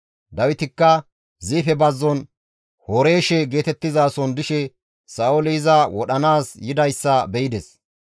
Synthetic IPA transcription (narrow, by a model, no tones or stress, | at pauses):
d̪ɐwɪt̪ɪkːɐ | ziːfɛbɐzːɔn | hoɾe̞ːʃɛɡe̞ːt̪ɛt̪ːɪzaːsɔnd̪ɪʃɛ | saːʊlɪɪzɐwɔɗɐnaːsjɪd̪ɐjsːɐbɛjɪd̪ɛs